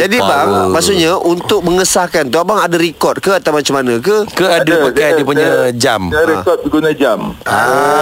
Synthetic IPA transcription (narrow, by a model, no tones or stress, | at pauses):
d͡ʒadibaŋmaʔsuʔɲaʔunt̪ʊk̚məŋəsahkant̪uabaŋadaɾikɔt̪̚kəat̪awmat͡ʃamanãk̬əkəadapəkajdiəpuɲɲad͡ʒamɾikɔt̪̚bəɡunad͡ʒama